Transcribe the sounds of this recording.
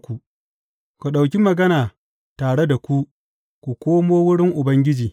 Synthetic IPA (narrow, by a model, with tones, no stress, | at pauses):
kʷu˨ | kʷu˨ɗa˨wk̬ʲi˦mɐ˨ɡɐ˦naː˨ | taː˨ɽe˦da˨kʷu˦ | kʷu˨kʷoː˦moː˦wʊ˦ɽɪ˦ŋʔʊ˨bɐ˦ŋɡʲɪ˦d͡ʒiː˨